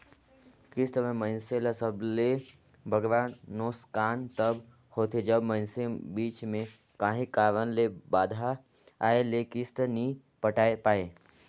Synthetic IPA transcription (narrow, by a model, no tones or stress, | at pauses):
kɪst̪mẽmə̃ɪnselesəble | bʱəɡʋaːnːoːskaːnt̪əb | hoːt̪ʰed͡ʒəbmə̃ɪnsebiːt͡ʃmẽ | kaːɦĩkaːʋənlebaːd̪ʱa | aːelekɪst̪nĩ | pəʈaːepaːeː